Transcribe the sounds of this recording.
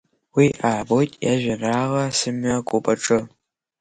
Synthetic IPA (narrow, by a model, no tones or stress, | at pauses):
wiʔaːbotʼjaʒʷɐraːʁɐsɨmakʷʼʊpʼɐʈ͡ʂʼɨ